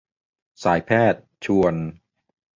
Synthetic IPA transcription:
saː˩˦jpʰɛː˥˩t̪̚t͡ɕʰu˧ən

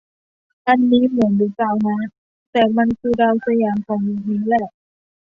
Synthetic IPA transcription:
ʔa˧nːiː˦˥mɯ˨˩˦ənduː˧˩kaː˧wna˦˥ | t̪ɛː˨˩ma˧nkʰɯː˧daː˧wsa˧jaː˨˩mkʰɔː˨˦ŋjuː˧niː˧˦˥lɛː˧˩

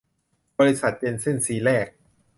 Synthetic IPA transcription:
bɔː˧ɾi˧˦˥sa˨˩t̪̚t͡ɕe˧nse˥˩nsiː˨˦ɾɛː˥˩k̚

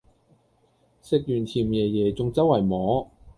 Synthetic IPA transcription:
sɪ˨k̚jyː˨˩nt̪ʰiː˨˩mjɛː˨˩jɛː˨˩t͡sʊ˨˧ŋt͡sɐ˥wɐ˨˩jmɔː˨˥

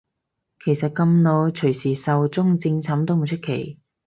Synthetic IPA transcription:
kʰe˨˩jsɐ˨t̚kɐ˧mno˨˧wt͡ʃʰɵ˨˩ɥsiː˨˩sɐ˨wt͡sʊ˥ŋt͡sɪ˧ŋt͡sʰaː˨˥mt̪o˥wm̩˨˩t͡ʃʰɵ˥t̚kʰe˨˩j

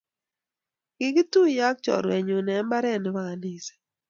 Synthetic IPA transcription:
ɡ̥ɪ˨ɡi˦tu˦ja˦k̚t͡ʃɔ̰˨ɾwɛ˨ɲo˨nɛ˨˦mba˦ɾɛ˦˨n˨wa˨a˨ni˨sɛ̥˨

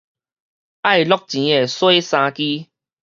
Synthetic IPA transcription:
a˥˨jlɔ˦k̚t͡ɕĩ˨˦e˨˩swe˦jsã˧ki˦

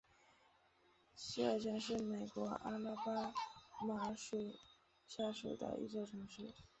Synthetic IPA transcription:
ɕi˥ə˞˥˧t͡ɕʰjɛ˥nʂɻ̩˥˩me˨˩ɪkwɔ˧˥a̰˥na˥pa˥ma˧˥ʂwe˨˩ɪ | ɕja˥˩ʂwḛ˨˩ɪd̪ə̰˦ʔḭ˧˥ʈ͡ʂɑ˥˩ʊʈ͡ʂʰɤ˧˥ŋʂɻ̩˥˩

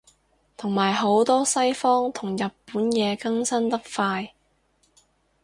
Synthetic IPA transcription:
t̪ʰʊ˨˩ŋmaː˨˩jɦo˨˥wt̪ɔː˥sɐ˥jfɔː˥ŋt̪ʰʊ˨˩ŋjɐ˨t̚puː˨˥njɛː˨˧kɐ˥ŋsɐ˥nt̪ɐ˥k̚faː˧j

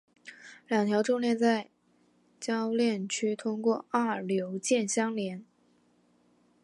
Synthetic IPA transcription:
ljɑ˨˩ŋt̪ʰjɑ˧˥ʊʈ͡ʂʊ˥ŋljɛ˥˧nt͡sa˥˩ɪ | t͡ɕjɑ˥ʊljɛ˥˩nt͡ɕʰy˥t̪ʰʊ˥ŋkwɔ˥˩a˥˩ljo˧˥ʊt͡ɕjɛ˥˩nɕjɑ˥ŋljɛ˧˥n

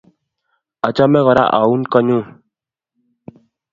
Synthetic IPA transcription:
ɔ˨t͡ʃɔ˦mɛ˦ɣɔ˨ɾa̰˦ʔa̰˨u˦nkɔ˦ɲu˦

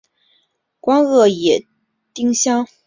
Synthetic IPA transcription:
kwɑ˥ŋɣɤ˥˩jɛ˨˩ | t̪i˥ŋɕjɑ˥ŋ

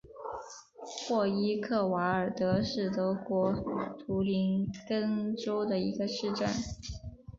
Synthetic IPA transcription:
xwɔ˥˩i˥kʰɤ˥˩wa˧˥ə˞˨˩t̪ɤ˧˥ʂɻ̩˥˩t̪ɤ˧˥kwɔ˧˥t̪ʰu˧˥li˧˥nkə˥ŋʈ͡ʂo˥ʊd̪ə˨i˧˥ɡə˧ʂɻ̩˥˧ʈ͡ʂa˥˩n

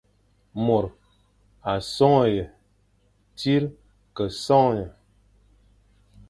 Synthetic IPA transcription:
mo˨ɾ | a˨sɔ˦ŋ˨jə˨ | ti˦ɾ | kə˨sɔ˦ŋ˨jə˨

